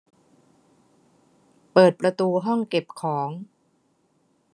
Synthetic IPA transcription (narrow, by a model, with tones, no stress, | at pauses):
pɤː˨˩t̪̚pɾa˧t̪uː˧ɦɔ˥˩ŋke˨˩p̚kʰɔː˩˦ŋ